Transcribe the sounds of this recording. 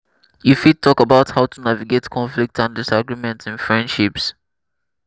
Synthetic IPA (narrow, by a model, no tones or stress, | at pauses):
jifid̚tʰɔkəbaʊthaʊtʰunaviɡetkʰɔ̃nflik̚tãndɪsaɡɹimɛ̃ntɪ̃nfɹɛ̃nd̥ʃips